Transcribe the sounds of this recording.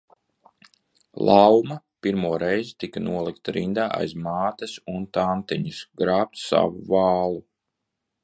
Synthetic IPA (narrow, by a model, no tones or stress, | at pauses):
lˠawmɐ | piɾmuɔɾɛjzit̪ikɐnuɔlˠikt̪aɾind̪aːʔa̰jzmaːt̪ɐsunt̪ant̪iɲusɡɾaːp̚t̪sa̰ʋuvɑːlˠu